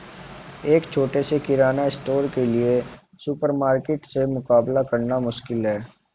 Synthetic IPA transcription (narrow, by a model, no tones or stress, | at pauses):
eːkt͡ʃʰoːʈesekɪɾaːnaɪsʈoːɾkelie | sʊpəɾmaːɾkeːʈsemʊkaːblakɐɾnamʊʃkɪlɦɛː